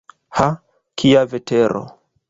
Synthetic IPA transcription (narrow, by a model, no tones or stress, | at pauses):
ha | kʰiavetʰeɾo̰